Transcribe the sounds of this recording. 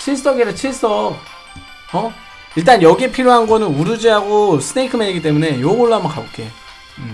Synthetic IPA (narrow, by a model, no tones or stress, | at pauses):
t͡ɕʰiɭs͈ʌɡiɾɯt͡ɕʰiɭs͈ʌk̚ | ʌ | iɭt̬͈anjʌɡiepʰiɾjoɦanɡʌnɯnuɾud͡ʑiɦaɡosʰɯneikʰɯmeɲiɡit͈emune̞jomoɭːaɦamʌnka̰bok͈ejo | ɯ